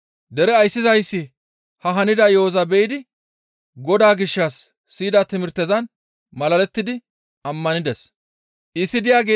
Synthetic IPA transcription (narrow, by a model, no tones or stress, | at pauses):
d̪ɛɾɛɐjsːɪzɐjsːɪ | hɐɦɐnɪd̪ɐjoːzɐbɛʔɪd̪ɪ | ɡɔd̪aːɡɪʃːɐsː | iːd̪ɐt̪ɪmɪɾt̪ːɛzɐn | mɐlɐlɛt̪ːɪd̪ɪ | ɐmːɐnɪd̪ɛs | ʔɪsːɪd̪ɪjaːɡeː